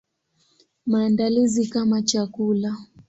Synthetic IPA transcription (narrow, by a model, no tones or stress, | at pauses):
maːndalizikamat͡ʃakula